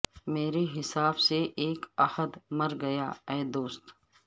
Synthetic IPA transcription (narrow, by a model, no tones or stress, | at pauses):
meːɾeɦɪsaːbseʔeːkɐhəd̪mɐɾɡɐjaːɛːd̪oːst̪